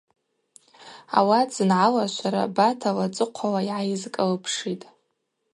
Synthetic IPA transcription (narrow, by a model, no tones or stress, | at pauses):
a̰wat͡sɨnʕalaʃʷaɾa̰batʰalat͡sʼɨqʷʰawaiʕajɪzkʼɨlɨpʰʂitʼ